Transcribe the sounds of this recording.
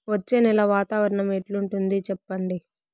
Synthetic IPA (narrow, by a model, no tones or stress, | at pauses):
ʋɐt͡ʃːe̞ːnɛlɐʋaːt̪aːʋɐɾɐɳɐmeʈluɳʈund̪it͡ʃɛpːɐɳɖi